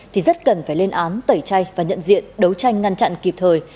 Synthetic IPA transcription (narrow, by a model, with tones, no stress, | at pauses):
t̪ʰi˨˩zə˦˥t̚kə˨˩nfaː˧˩jle˧nʔaː˨˦nt̪ə˧˩jt͡ɕa˧jvaː˨˩ɲə̰˧˨nzḭ˧˨ənɗə˨˦wt͡ɕa˧jŋ̟ŋa˧nt͡ɕa̰˧˨nki˨˩p̚t̪ʰəː˨˩j